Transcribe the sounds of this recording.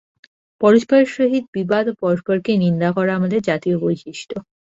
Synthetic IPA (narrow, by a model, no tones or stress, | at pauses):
pɔɾoʃpaɾʃoɦid̪̚bibad̪opɔɾoʃpoɾkenind̪akɔɾaamad̪eɾd͡ʑat̪iobojʃiʃʈʰo